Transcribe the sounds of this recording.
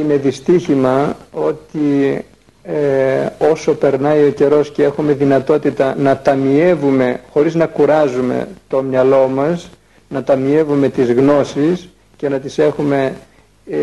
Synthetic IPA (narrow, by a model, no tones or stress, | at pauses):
ine̞ðist̪içimɐo̞t̪i | o̞so̞pe̞ɾnɐio̞ce̞ɾo̞scee̞xume̞ðinɐt̪o̞t̪it̪ɐnɐt̪ɐmie̞vume̞xo̞ɾiznɐkuɾɐzume̞̰t̪o̞mɲɐlo̞mɐs | nɐt̪ɐmie̞vume̞t̪izɣno̞sis | ce̞nɐt̪ise̞xume̞